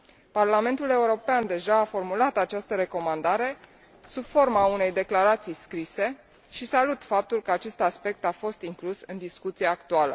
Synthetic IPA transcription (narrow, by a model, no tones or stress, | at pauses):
parlame̞nt̪ule̞uɾo̞peand̪e̞ʒaːfo̞rmulat̪at͡ʃast̪əɾe̞ko̞mand̪aɾe̞ | subfo̞rmaune̞jd̪e̞klaɾat̪sijskɾise̞ | ʃisalut̪fap̚t̪ulkəat͡ʃe̞st̪aspe̞k̚t̪afo̞st̪iŋklusɨnd̪iskut̪sieːk̚t̪ualə